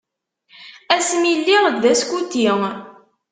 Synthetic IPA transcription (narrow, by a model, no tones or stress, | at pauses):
æsmilːiʁəɡ̪ðæskut̪ːiŋ